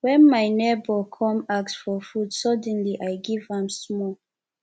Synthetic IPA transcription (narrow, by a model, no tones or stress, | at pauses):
wɛ̃nmaɪnebəkʰɔ̃maksfɔfudsʌdə̃nliʔajɡivãmsmɔ